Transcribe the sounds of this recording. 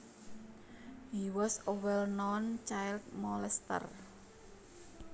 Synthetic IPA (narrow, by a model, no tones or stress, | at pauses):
ɦiwɔsowɛlnɔnt͡ʃajld̪̚mɔlɛst̪ə̰r